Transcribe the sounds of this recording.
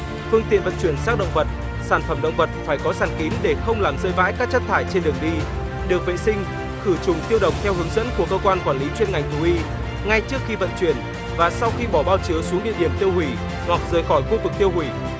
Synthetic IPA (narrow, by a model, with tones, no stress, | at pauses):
fɨ˧əŋt̪ḭ˧˨ənvə̰˧˨nt͡ɕwi˧˩ənsaː˦˥k̚ɗə̰˧˨ŋ͡mvə˨˩t̚ | saː˧˩nfə˧˩mɗə̰˧˨wŋ͡mvə˨˩t̚faː˧˩jkɔ˨˦saː˧˩nki˨˦nɗe˧˩xə˧wŋ͡mlaː˨˩mzəː˧jva̰ː˧˥jkaː˦˥k̚t͡ɕə˦˥t̚t̪ʰaː˧˩jt͡ɕe˧nɗɨ˨˩əŋɗi˧ | ɗɨ˨˩ək̚vḛ˧˨sï˧ŋ̟ | xɨ˧˩t͡ɕʊ˨˩ŋ͡mt̪i˧əwɗə̰˨wŋ͡m̚t̪ʰɛ˧wɦɨ˨˦əŋzə̰˧˥nku˧˩əkəː˧kwaː˧nkwaː˧˩nli˨˦t͡ɕwi˧nŋa˨˩jŋ̟t̪ʰu˨˩ʔi˧ | ŋa˧jt͡ɕɨ˦˥əkxi˧və̰˧˨nt͡ɕwi˧˩ən | vaː˨˩sa˧wxi˧ɓɔ˧˩ɓaː˧wt͡ɕi˨˦əwsu˨˦ŋɗḭ˧əɗi˧˩əmt̪i˧əwhwi˧˩ | hwa˨˩k̚zəː˨˩jxɔ˧˩jxu˧vɨ˨˩k̚t̪i˧əwhwi˧˩